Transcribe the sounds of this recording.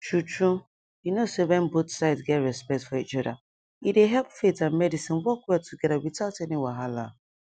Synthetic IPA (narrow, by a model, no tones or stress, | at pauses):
tʰɹutɹu | junosowɛ̃nbotsaɪtsɡɛtɹɛspɛk̚tfɔit͡ʃɔda̰ | ideɦɛlpfetãnmɛdisĩnwɔkwɛtʰuɡɛðawitaʊtɛniwaɦala̰